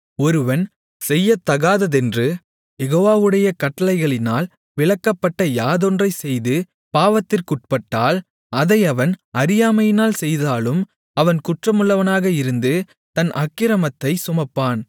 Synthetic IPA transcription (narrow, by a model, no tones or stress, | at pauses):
ɔɾɯʋɐn | sɛjːɐt̪ːɐɣaːðɐðɛndrɯ | jɛɣoːʋaːʋɯɽɐjɐkɐʈːɐlɐɪɣɐɭɪnaːl | ʋɪɭɐkːɐpːɐʈːɐjaːðɔndrɐɪsɛjðɯ | paːʋɐt̪ːɪrkʊʈ̚pɐʈːaːl | ɐðɐɪɐʋɐnɐɾɪjaːmɐjɪnaːlsɛjðaːlɯm | ɐʋɐnkʊʈrɐmɯɭːɐʋɐnaːɣɐɪɾɯnd̪ɯ | t̪ɐnʔɐkːɪɾɐmɐt̪ːɐɪsʊmɐpːaːn